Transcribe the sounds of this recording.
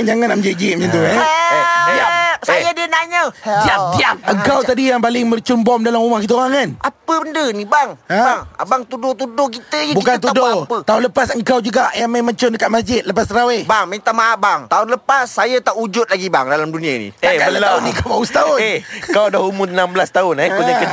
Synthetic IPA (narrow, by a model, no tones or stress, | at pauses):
ŋd͡ʒaŋanaməd͡ʒid͡ʒiʔmɛnt̪ua | asajadiənaɲadad̪iapʔəŋkawt̪adijaŋpalɪŋbərt͡ʃʊmbɔmdalamumahkit̪̬auɣaŋkanʔapəbəndənibaŋaaŋa̰baŋt̪udʊt̪udʊkit̪əibukant̪udopət̪aʊnləpasəŋkawd͡ʒuɡaʔjaŋmamat͡ʃʊndəkat̪̚mas̬d͡ʒɪt̪̚ləpasɾawebaŋmaŋt̪amaabaŋt̪aʊnləpasːajat̪aʔud͡ʒʊt̪̚laɡiba̰ŋdalamdunĩainḭeaəaʊnikawbaust̪aʊehkawdahumuənambəlast̪aʊnepuɲaə